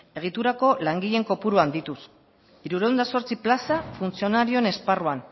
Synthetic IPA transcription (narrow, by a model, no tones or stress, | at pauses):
e̞ɣ̞it̪uɾako̞laŋɡiʎe̞ŋko̞puɾuand̪it̪us | iɾuɾewnd̪aso̞ɾt͡siplasafunt͡sio̞naɾio̞ene̞sparuan